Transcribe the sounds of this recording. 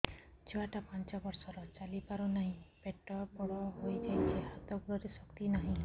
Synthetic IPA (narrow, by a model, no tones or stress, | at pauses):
t͡ʃʰɔaʈapant͡ʃɔbɔɾsɔɾɔt͡ʃalipaɾɔnaɦĩpeʈːɔbɔɽɔɦojt̪ʰajtʰehat̪ɔkɾɔɾisɔkt̪inaɦĩ